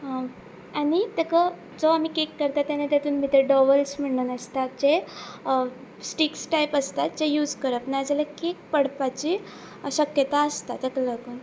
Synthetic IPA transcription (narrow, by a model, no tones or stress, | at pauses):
ɦã | aɽ̃it̪ekə | d͡zoam̤ikekːəɾt̪at̪ːjanet̪at̪uːnmit̪əɖɔʋəlsm̤əɳnənəst̪at̪̚d͡ʑe | sʈiksʈajpəst̪at̪̚d͡ʑejuːd͡zkəɾəpnad͡zalekek̚pəɽpat͡ɕiː | ɕəkjət̪aəst̪at̪əkələkuːn